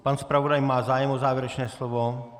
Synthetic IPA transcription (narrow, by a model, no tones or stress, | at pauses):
panspɾavodajmaːzaːjɛmʔozaːvjɪɛɾɛt͡ʃnɛːslovo